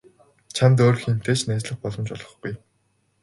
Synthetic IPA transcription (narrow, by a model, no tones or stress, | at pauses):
t͡ɕʰant̪̬oːrxen̥t̪ʰeːt͡ɕnæːt͡ɕɮə̆χpɔɮɞ̆mt͡ɕɔ̰ɮʁɞ̆χɡuj